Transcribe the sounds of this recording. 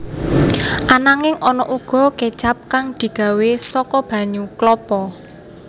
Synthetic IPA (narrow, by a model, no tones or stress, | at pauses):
ʔanaŋɪŋʔɔnɔʔuɡ̥ɔ̤ked̥t͡ʃap̚kaŋd̪̥i̤ɡ̥ä̤wesɔkɔb̥ä̤ɲuklɔpɔ